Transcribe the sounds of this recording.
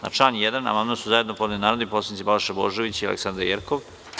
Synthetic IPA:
na̰ʈ͡ʂanjed̪ana̰mand̪asuzajed̪nopod̪nnaːɾod̪iposanit̪sibalʃeboːʒeʋit͡ɕialḛksand̪ɾaɾjeɾkoʋ

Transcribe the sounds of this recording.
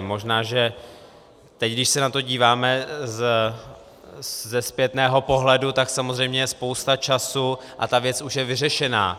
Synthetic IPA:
mo̞ʒnaːʒɛ | t̪ɛcɡdɪʃsɛnat̪o̞ɟiːvaːmɛz | zɛspjɛt̪nɛːɦo̞po̞ɦlɛdut̪aksamozr̝ɛjmɲɛjɛspo̞wst̪at͡ʃasuʔa̰t̪avjɛt͡suʃjɛvɪrɛʃɛna̰ː

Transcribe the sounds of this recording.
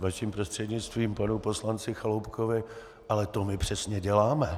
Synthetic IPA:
vaʃɪmpɾost̪r̥ɛdɲɪt͡st̪viːmpanupo̞slant͡sɪxalowpkʰovɪ | ʔalɛt̪o̞mɪpr̥ɛsɲɛɟɛlaːmɛ

